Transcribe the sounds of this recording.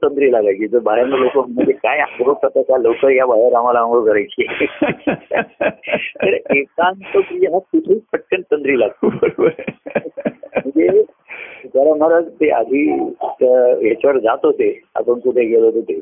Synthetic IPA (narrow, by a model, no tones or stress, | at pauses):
t̪ənd̪ɾiːlaɡlakiːd͡zəbaɦeɾməlokoməɳd͡zekajabɾot̪asakalokəɾjabajəɾam̤alaə̃ɡəkəɾajt͡ɕie | t̪əɽeet̪ant̪əpɾijeɦasuʈ̪ʰipəʈːənt̪ənd̪ɾiːlaɡ̚t̪ubʱəɾobəɾ | m̤əɳd͡ze | kaɾaməɾat̪eʔa̰d̪ʱiːt̪əjat͡ɕəɾd͡zat̪ɦot̪ea̰pəɳkuʈ̪ʰeɡelɦot̪ot̪e